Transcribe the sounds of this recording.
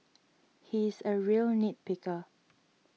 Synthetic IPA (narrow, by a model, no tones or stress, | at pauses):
hisəɹiəlnit̚pɪkə